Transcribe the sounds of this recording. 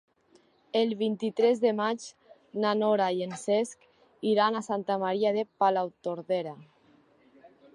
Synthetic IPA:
elβint̪it̪ɾezðemat͡ʃ | nanoɾajensesk | iɾanasant̪amaɾiað̞epalawt̪oɾðeɾa

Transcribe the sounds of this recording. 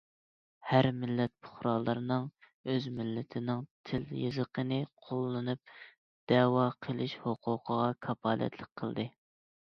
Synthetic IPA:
hæɾmɪlːɛt̪̚pʰʊ̥χɾɑːlˠːɨɾɨnɨŋ | øzmɪlːɪt̪ʰɪnɪŋt̪ʰɪljɨ̰zəqʰənɨqʰolˠːɨnup̚ | d̪̥ɛwɑqʰəlˠɪʃhoqʰʊqʰəʁɑkʰɑpʰɑːlɛ̰t̪lˠɪk̚ʲqʰəlˠd̪ɨ

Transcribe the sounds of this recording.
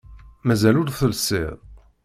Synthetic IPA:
mæzælʊɾθəlsɪ̰ðˤ

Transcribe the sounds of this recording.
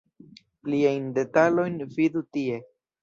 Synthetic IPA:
pliajnde̞talo̞jnvidutie̞

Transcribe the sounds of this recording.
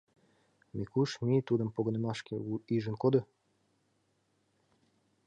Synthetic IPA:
mikuʃmit̪ud̪ə̆mpoɡŏnĕmɑʃkeuiʒə̆nkod̪ɤ̆

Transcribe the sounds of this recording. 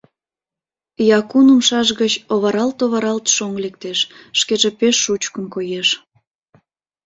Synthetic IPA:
jɑkunəmʃɑʒɣət͡ɕoβɑɾɑlt̪oβɑɾɑlt̪ʃoŋlek̚t̪eʃːkeʒepeʃːut͡ɕkə̆mkojeʃ

